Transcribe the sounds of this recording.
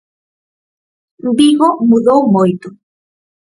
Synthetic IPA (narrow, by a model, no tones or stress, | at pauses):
mbiɣomuðowmojt̪o